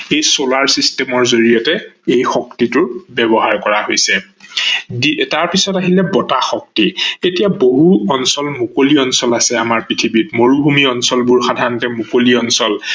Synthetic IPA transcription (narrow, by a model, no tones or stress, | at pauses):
ejsolaɹsistɛmɔɹzoɹijɔtɛejxɔktitʊbɛbɔɦaɹkɔɹahojsɛ | ditaɹpisɔtaɦilɛbɔtaxɔk̚tietijaboɦuɔnsɔlmukoliɔnsɔlasɛamaɹpɹitʰibitmoɹubʱumiɔnsɔlbuɹxadʱanɔtɛmukoliɔnsɔl